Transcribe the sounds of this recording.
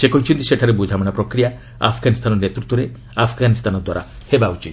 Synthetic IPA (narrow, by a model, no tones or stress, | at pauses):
sekɔɦut͡ʃʰint̪iseʈʰaɾebud͡ʒʱamɔɽ̃apɾɔkɾija | a̰pʰɡanist̪ʰanɔnet̪ɾut̪ːɔɾe | apʰɡanist̪ʰanɔd̪waɾa̰ | hebaut͡ʃʰit̪